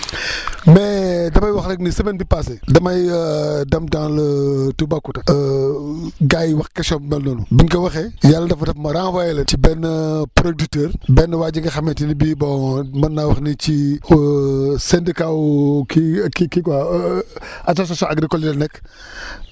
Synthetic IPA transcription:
mɛdɐmɐjwɐxnɐknisɐmɛnbipasɛdɐmɐjdɐmdãŋlɐtubakːutɐ | ɡajwɐxkɐsɔmɛlnɔːnubinkɐwɐxɛjalːɐdɐfɐtɐfmɐɾaŋwajɛlɐcibɛnːəpɾodutəːɾbɛnːəwaːd͡ʒɡɐxɐmɛntinibibɔmɐnːawɐxnici | sɛndikawkikikiwa | ɐs̬os̬asɔ̃nʔaɡɾikɔlidɐnɛkː

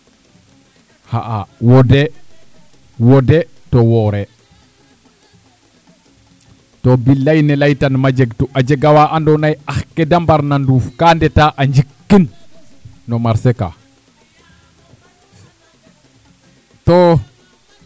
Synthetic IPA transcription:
haʔawɔde | wɔdɛ | towɔɾe | tobilajnɛlajtanmad͡ʒɛɡtuʔad͡ʒeɡawaʔandɔnajaxkedambaɾnanduːfkaːndɛtaːʔaɲd͡ʒikːinː | ɔmaɾseka̰ | to

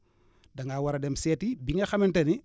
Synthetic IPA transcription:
dɐŋɡaːwɐɾɐdɛmsɛːtibiŋɡɐxɐmɛntɐni

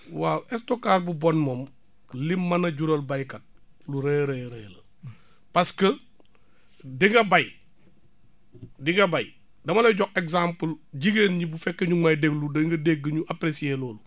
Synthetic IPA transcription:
waɛstokːaːɾbubɔnmoːm | limːɐnɐɟuɾɐlbɐjkɐt̚ | luɾeɾeɾeːlɐ | pɐskə | diŋɡɐbɐj | diŋɡɐbɐj | dɐmɐlɐɟɔkɛkzampəlɟiɡeːnɲibufɛkːɐɲumajdeɡludɐŋɡɐdeɡɐɲuʔapɾesieːlɔːlu

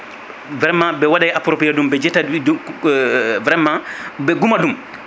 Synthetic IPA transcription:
vɾɛmːãbɛwaɗajapɾopijadumbɛd͡ʒɛtːa | vɾɛmːabɛɡumadum

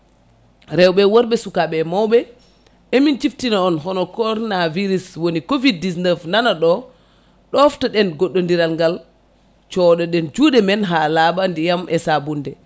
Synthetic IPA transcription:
ɾɛwɓɛwɔɾɓɛsukaɓɛmawbɛ | emint͡ʃiftinaɔnɦɔnɔkɔɾɔnaviɾiswonikovid̚ːisnɛvnanaɗɔ | ɗɔftaɗɛnɡoɗːondiɾalŋɡal | t͡ʃɔɗɔɗɛnd͡ʒudɛmɛnɦalaɓandijamʔɛsabundɛ

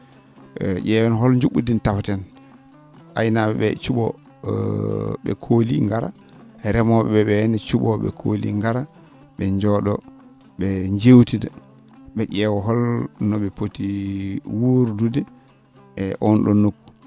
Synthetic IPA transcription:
ɟɛwɛnɦɔlɲd͡ʒuɓːṵdintafatɛn | ʔajnaɓɛɓɛt͡ʃuɓɔ̰ | ɓɛ̰kʰolḭŋɡaɾa̰ | ɛɾɛmɔɓɛɓɛɓɛɛnɛt͡ʃuɓɔɓɛ̰kʰo̰lḭŋɡaɾa | ɓɛɲd͡ʒɔɗɔ | ɓɛɲd͡ʒewtida | ɓɛʔɛwɔɦɔlnɔɓɛpotiwuɾdudɛ | ɛʔɔnɗɔnːokːu̥

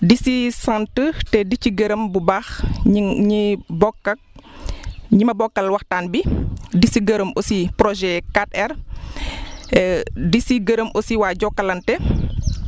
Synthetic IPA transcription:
disisantətɛdiciɡəɾəmbubax | ɲibɔkːɐk̚ | ɲimɐbɔkːɐlwɐxtaːnbidisiɡəɾəmosipɾɔʒɛkatɛr | disiɡəɾəmʔosiwaːɟɔkːɐlɐntɛ

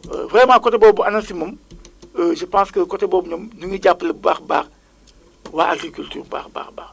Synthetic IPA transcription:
vrɛmãːkɔtɛbɔːbuanɐnsimɐməʒəpãːskəkɔtɛbɔːbuɲɐmnuŋəɟapːləbaxba̰ːχ | waʔaɡrikyltyːrba̰ːxba̰ːxbaːx

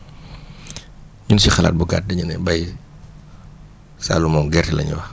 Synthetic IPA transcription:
ɲunsixɐla̰ːt̚buɡa̰t̚dɐɲunɛbɐj | sa̰ːlumɔmɡɛrtɛlɐ̰ɲṵwɐ

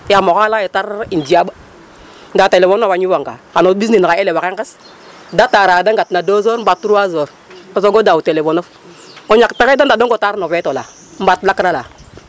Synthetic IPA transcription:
jamokalajetaɾind͡ʒiaɓa | n̩datelefonoaɲiwaŋɡa̰kanobis̬ninkaelewakeŋkɛs | dataɾadaŋɡatnadozoɾm̩batːuɾuazoɾ | osoɡodautelefonof | oɲakpekedandadoŋɡotaɾnovetola̰ | m̩batlakɾala

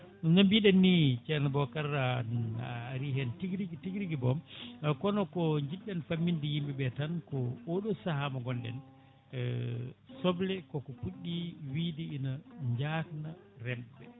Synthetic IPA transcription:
nambiɗɛnːit͡ʃɛnabɔkaɾːa | ɾiɦɛntiɡɾiɡtiɡɾiɡibɔmkɔnɔkɔɲd͡ʒiɗːɛnfamːindijimbɛɓɛtankɔoɗɔsahamaɡɔndɛ̰n | sɔblɛkɔkɔpuɗːiwidiːnaɲd͡ʒaknarɛmbɛ̰

